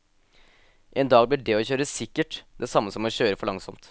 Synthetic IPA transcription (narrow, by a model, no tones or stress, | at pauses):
ʔɛːnd̪ɑːɡblɪɖɛɔçøːɾəsɪkːəʈd̪ɛsɑmːəsɔmɔɕøːɾəfɔɭɑŋsɔmt̪